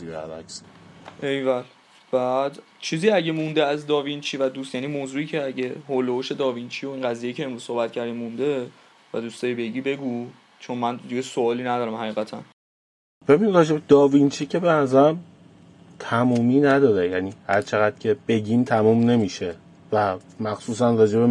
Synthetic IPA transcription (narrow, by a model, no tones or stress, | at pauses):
iæ̰væ̰ksʔejvæl | b̥æd̪ | t͡ʃʰiːziæɟemũnd̪eæzd̪ɒːvint͡ʃʰiːvæd̪uːst̪jæniːmoːzuːiːcʰe̞æɟehoːloboʃe̞d̪ɒːvint͡ʃʰijo̞inɢæzijejːcʰe̞eːnɾuːz̥sohbæt̪̚cʰæɾd̪imũnd̪e̞ | væd̪uːst̪ɒːibe̞ɟiːbe̞ɡu | t͡ʃʰo̞nmænd̪iɡesoɒːliːnæd̪ɒːɾæmhæɣiːɣæt̪ʰæn | b̥e̞binid̪rɒːd͡ʒebed̪̥ɒːvint͡ʃʰiːcʰe̞beæzæm | t̪ʰæmuːmiːnæd̪ɒːɾejæːniːhæɾt͡ʃʰe̞ɣæd̪̥̚cʰe̞b̥e̞ɟiːmt̪ʰæmuːmne̞miːʃe | væmæxsuːsænrɒːd͡ʒe̞be